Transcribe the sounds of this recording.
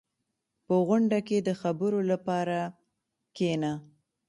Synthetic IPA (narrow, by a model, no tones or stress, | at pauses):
pəɣʊɳɖaked̪əxabəɾolapɑɾa | kena